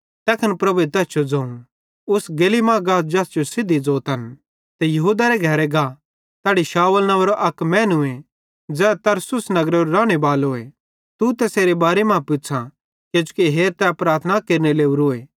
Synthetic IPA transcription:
t̪ɛːkʰɐnpɾɐbuet̪ɛːst͡ʃʰod͡zɐ̃ːũ | ʊsɡeːlimãɡaːsd͡ʒɐːsd͡ʒosɪd̪ʱid͡zoːt̪ɦɐn | t̪ɛjɐɦuːd̪aɾɛɡʱɛɾɛɡa | t̪ɛːɽiʃaːəlnɐʋɾoʔɐkmɛ̃ːnʊẽ | d͡zɛːt̪ɐɾsʊsnɐɡɾeɾɾaːɽ̃ebaːloːe | t̪ut̪ɛseːɾebaːɾemãːpʊsʰa | ked͡ʒʊkiɦeːɾt̪ɛpɾaːɾt̪ʰənakeːɾneleːuɾoːeː

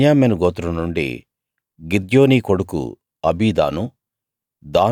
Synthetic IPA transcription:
jaːmenuɡoːt̪uɾɐnuɳɖḭ | ɡid̪joːniːkoɽukṵ | ɐbiːd̪a̰ːnu | d̪aː

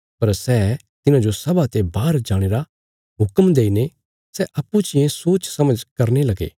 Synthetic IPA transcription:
pɐɾsɛː | t̪ɪnãd͡ʒosɐbat̪ebaːɾd͡ʒaːɽ̃eːɾa | ɦʊkəmd̪eːine | sɛʔɐpːut͡ʃɪjẽsoːt͡ʃsɐməd͡ʒkɐɾnelɐɡḛː

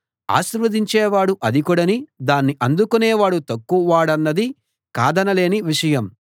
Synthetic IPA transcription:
a̰ːʃiɾʋɐd̪iɲt͡ʃeːʋaːɽuʔɐd̪ikuɽɐnid̪aːnːiʔɐnd̪ukuneːʋaːɽut̪ɐkːuʋaːɽɐnːɐd̪i | ka̰ːd̪ɐnɐle̞ːniʋiʂɐjɐm

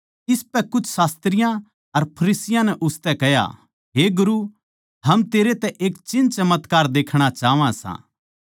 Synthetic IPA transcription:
ɪspɛkʊt͡ʃʰsaːst̪ɾɪjã | ɐɾpʰɐɾiːsɪjãnɛʔʊst̪ɛkɛja̰ | ɦeɡʊɾu | ɦɐmt̪eːɾet̪ɛʔeːkt͡ʃɪ̃nt͡ʃɐmət̪kaːɾd̪eːkʰɽ̃at͡ʃaːʋãsã̰ː

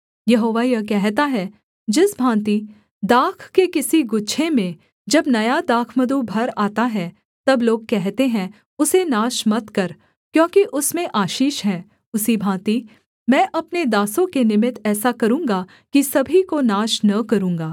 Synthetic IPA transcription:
jɐɦoːʋajɐk̬ɛɦt̪aɦɛ | d͡ʒɪsbʱãːt̪i | d̪aːkʰkekɪsiɡʊtːʃʰemẽ | d͡ʒɐbnɐjad̪aːkʰməd̪ubʱɐɾaːt̪aɦɛ | t̪ɐbloːɡ̚kɛɦt̪eɦɛ̃ | ʊsenaːʃmɐt̪kɐɾ | kjõːkiʔʊsmẽʔaːʃiːʃɦɛ̃ː | ʊsibʱãːt̪i | mɛ̃ːʔɐpned̪aːsõkenɪmɪt̪ɛːsakɐɾũːŋɡa | kisɐbʱikonaːʃnɐkɐɾũːŋɡaː

